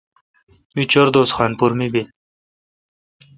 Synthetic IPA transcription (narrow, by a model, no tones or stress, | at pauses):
mit͡ɕoɾd̪oːsxɑːnpuɾmibil